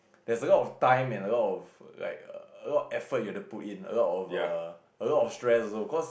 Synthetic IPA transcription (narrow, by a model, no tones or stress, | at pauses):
d̥ɛsəlɔtɔftãɪ̃mɛ̃nəlɔtɔfla̰ɪkə̰əlɔtɔfɛfət̚jətuputĩnə̰lɔtɔfə | əlɔtɔfstɹɛsɔsobikɔs